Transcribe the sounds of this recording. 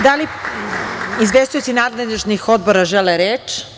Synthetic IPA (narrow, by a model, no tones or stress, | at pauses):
d̪ali | izʋest̪ujut̪sinaːd̪led̪iʒnixod̪̚boɾaʒeleɾeːt͡ʃ